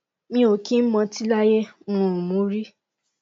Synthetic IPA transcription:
mĩ˧o˨kĩ˦mɔ̃˧ti˦la˦jɛ˦wɔ̃˨˧˨mõ˨˦ɾi˦

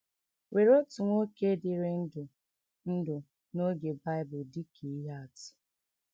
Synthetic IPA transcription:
wʔe˨ɾo˦tʊ˨ŋʷo˦ke˦dɪ˨ɾɪ˦n̩˦dʊ˨ | n̩˦dʊ˨ | no˦ɡe˨ba˦ɪ˦bʊ˨di˦kʰi˨˦ɦa˦a˨tɪ̥˨

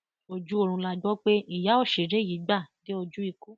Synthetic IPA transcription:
o˧d͡ʒu˦o˧ɾ̃ũ˧la˧ɡ͡bɔ˦k͡pe˦i˦˨ja˨˦o˦˨ʃe˨ɾe˨˦˨ji˨˦ɡ͡ba˦˨de˦o˧d͡ʒu˦i˦˧ko˦

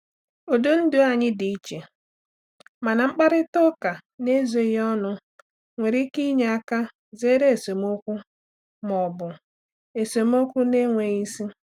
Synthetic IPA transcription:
o˨do˦n̩˦dʊ˨a˨ɲɪ˦dɪ˨i˦t͡ʃe˨ | ma˨na˨ŋ͡m̩˦k͡pa˦ɾɪ˦tʊ˦ka˨ne˦zo˨˦jɔ˦nʊ˦ | ŋʷe˨ɾi˦ki˦ɲe˨a˦ka˦ | ze˦ɾe˦e˨so˨mo˦kʷu˦ | mɔ˨bʊ˨ | e˨so˨m˦o˦kʷu˦ne˦ŋʷe˨i˦si˦

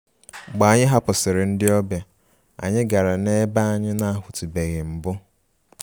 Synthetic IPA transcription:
ɡ͡ba˨a˨ɲɪ˦ɦa˦pʊ˨sɪ˨ɾɪ˨n̩˦dɪ˦ɔ˦bja˨ | a̰˨ɲɪ˦ɡa˨ɾa˨ne˦ba˦a˦ɲɪ˦na˦a˦ɦʊ˨tu˨be˨ɣɪ˨m̩˨bʊ˦

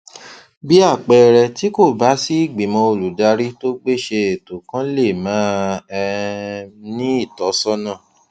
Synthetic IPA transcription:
bi˦a˦˨k͡pɛ˧ɾɛ˧ti˦ko˦˨ba˨˦si˦i˦˨ɡ͡bi˨˦mɔ̃˧o˨lu˨da˧ɾi˦to˦ɡ͡be˦˨ʃe˧e˨to˨kã˦le˦˨mãː˨˦ɛ˧ | nĩ˦i˦˨tɔ˨˦sɔ˦nã˦˨

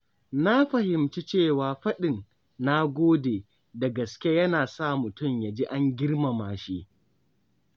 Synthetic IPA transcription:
na˦ɸɐ˨hɪ˨mt͡ʃi˦t͡ʃeː˦˨waː˨ɸɐ˦ɗɪ˨nː | a˦ɡʷoː˦deː˨ | da˨ɡɐ˨skʲe˦jɐ˦naː˨sa˦˨mʊ˨tʊ˦˨mja˨d͡ʒi˦ʔa˦ŋɡʲɪ˦ɾma˨maː˨ʃi˦ʔ

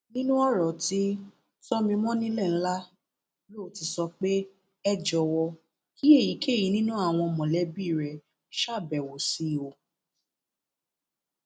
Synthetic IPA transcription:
nĩ˦nũ˦ɔ˦ɾɔ˨ti˦ | tɔ˦mĩ˧mɔ̃˦nĩ˦lɛ˦˨n̩˦la˦ | lo˦˨ti˧sɔ˧k͡pe˦ | ɛ˦˨d͡ʒɔ˨wɔ˧ | kʰi˦e˦˨ji˨˦ke˦˨ji˨˧˦nĩ˦nũ˦a˦˨w̃ɔ̃˧mɔ̃˨lɛ˨˦bi˦˨ɾɛ˨ | ʃa˦˨bɛ˨wo˨si˧˨o˨˧

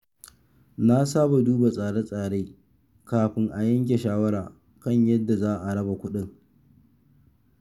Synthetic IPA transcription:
na˦saː˦ba˨duː˦ba˨sʼaː˨ɽe˦sʼaː˨ɽeː˦ | kaː˨ɸɪ˦ŋʔa˨jɐ˦ŋk̬ʲe˨ʃaː˦wɐ˦ɽaː˨ | kɐ˦ɲjɐ˦dːa˨zaː˦ʔa˨ɽɐ˦ba˨kʷʊ˦ɗɪ˦ŋ

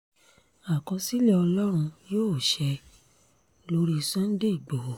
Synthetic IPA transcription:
a˨kɔ̃˧si˦lɛ˦ɔ˧lɔ˦ɾ̃ũ˧joː˦˨ʃɛ˧ | lo˧˦ɾi˧˨sɔ̃˦n̩˦de˦i˨ɡ͡bo˨

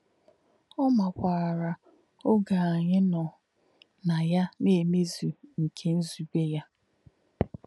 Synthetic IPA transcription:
ɔ˦ma˨kʷaː˨ɾa˨ | o˦ɡa˨a˨ɲɪ˦nɔ˨ | na˨ja˦ne˨me˦zu˨ŋ̩˨kʰe˦n̩˦zu˨ɡe˦ja˦

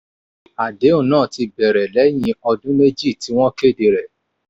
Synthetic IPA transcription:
a˨de˨˦ũ˦˨nãː˦˨ti˧bɛ˨ɾɛ˨lɛ˨˦j̃ĩ˧ɔ˧dũ˦ne˦d͡ʒi˦˨ti˨˦w̃ɔ̃˦ke˦˨de˧ɾɛ˨

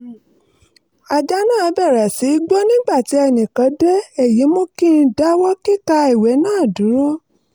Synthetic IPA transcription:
a˨d͡ʒa˦nãː˦˨˧bɛ˦˨ɾa˨si˨˦ɡ͡bɔ˦nĩ˦ɡ͡ba˦˨ti˨˦ɛ˧˨nĩ˨kã˨˦de˦ɛ˦˨ji˨˦mõ˦ki˦˨˧da˦wɔ˦ki˦ka˧i˨wɛ˨˦nãː˦˨dũ˨˦ɾo˦

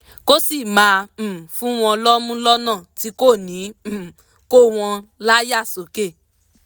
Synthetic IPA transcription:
ko˦si˦˨mãː˨˦˧fũ˦w̃ɔ̃˧lɔ˦mũ˦lɔ˦nã˦˨ti˧˦ko˦˨nĩ˨˦˨ | ko˦w̃ɔ̃˧la˦ja˦˨so˨˦ke˦˨

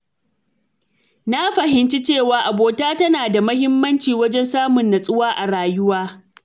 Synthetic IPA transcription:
na˦ɸɐ˨hɪ˦nt͡ʃi˦t͡ʃeː˦˨waː˨ʔa˨boː˨taː˦tɐ˦naː˨da˨mɐ˦hɪ˦mːɐ˦nt͡ʃiː˨wɐ˦d͡ʒɛ˦nsaː˦mʊ˨nːa˨sʼʊ˦waː˦ʔa˨ɽaː˨jʊ˦waː˦

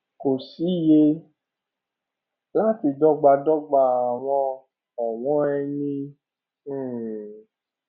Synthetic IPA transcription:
ko˨si˨˦je˧ | la˦ti˧dɔ˦ɡ͡ba˧dɔ˦ɡ͡ba˧a˨w̃ɔ̃˧ | a˨w̃ɔ̃˨˦ɛ˧nĩ˧˨

